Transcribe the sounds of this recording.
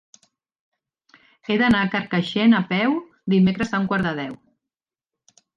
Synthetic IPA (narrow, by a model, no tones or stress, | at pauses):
eðənakəɾkəʃenəpɛw | d̪imekɾəzauŋkwaɾðəð̞ɛw